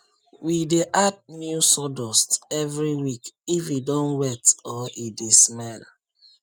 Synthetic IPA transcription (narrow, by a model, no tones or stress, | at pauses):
wideʔad̚njusɔdɔstɛvɹiwikifidɔ̃nwɛtɔidesmɛl